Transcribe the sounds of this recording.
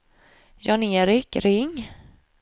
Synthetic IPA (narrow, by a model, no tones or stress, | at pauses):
jɑneːɾɪkɾɪŋː